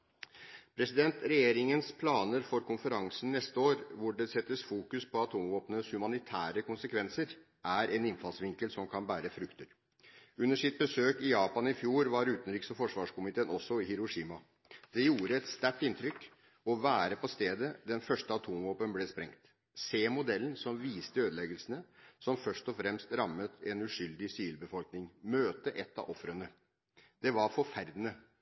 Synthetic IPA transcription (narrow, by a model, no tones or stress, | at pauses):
pʰɾɛsɪd̪ɛnt̪ɾɛjeːɾɪŋənspʰlɑːnəɾfɔɾkʊnfəɾɑŋsənnːɛst̪əoːɾʋʊɖɛsɛt̪ːəsfuːkʉspʰɔɑt̪ʰuːmʋoːpnəshʉmɑnɪt̪ʰæːɾəkʊnsəkʰʋɛnsəɾ | ʔæɾʔɛnɪnfɑlsʋɪŋkəlsɔmkʰɑnbæːɾəfɾʉkt̪əɾ | ʉnːəʂsɪt̪̚bəsøːkɪjɑːpɑnɪfjuːɾʋɑɾʉːt̪n̩ɾiːksɔfɔʂʋɑːʂkʊmɪt̪ʰeːnɔsːɔɪhɪɾʊʂiːmɑ | d̪̥ɛjuːɾəɛt̪st̪æʈːɪnt̪ʰɾʏkː | ɔʋæːɾəpʰɔst̪eːd̪əd̪ɛnfœʂʈəɑt̪ʰuːmʋoːpənblɛspɾɛ̰ŋt̪ | seːmʊd̪ɛlːnsɔmʋiːst̪əøːd̪əlɛɡəlsənəsɔmfœʂt̪ɔfɾɛmst̪ɾɑmːət̪ɛnʉʂʏld̪ɪsɪʋiːlbəfɔlknɪŋmøːt̪əʔɛt̪ːɑ̰ʔɔfɾənə | d̪̥ɛʋɑɾfɔɾfæɾd̪ənə